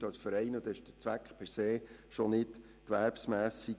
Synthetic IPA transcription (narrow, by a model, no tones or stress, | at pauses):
ɑlsfəɾɛɪnəd̪ɛɪʃd̥ət͡sʋækχpʰɛɾseːʃonɪd | kʋæɾpsmæːsi